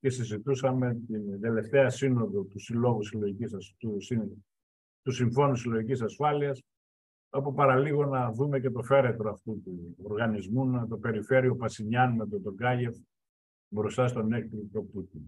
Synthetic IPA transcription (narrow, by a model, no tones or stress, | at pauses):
ce̞sizit̪usɐme̞t̪ind̪e̞le̞ft̪eɐsino̞ðo̞t̪usilo̞ɣusiloʝicisɐusi | t̪usiɱfo̞nusilo̞ʝicisɐsfɐliɐs | ɐpopɐɾɐliɣo̞nɐðume̞ce̞t̪o̞fe̞ɾe̞t̪ɾo̞ɐft̪ut̪uoɾɣɐnizmunt̪o̞pe̞ɾife̞ɾio̞pɐsiɲɐnmet̪ot̪oɡɐʝe̞f | bɾust̪ɐst̪o̞ne̞k̚t̪ɾit̪ɾo̞put̪i